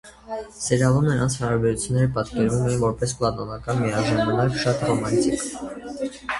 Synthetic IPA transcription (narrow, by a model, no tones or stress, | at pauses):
sɛɾjɑlumnəɾɑnt͡sʰhɑɾɑbɛɾut͡sʰjunːɛɾəpɑt̪kɛɾvumɛvɔɾpɛsplɑt̪ɔnɑkɑnmiɑʒɑmɑnɑkʃɑt̪rɔmɑnt̪ik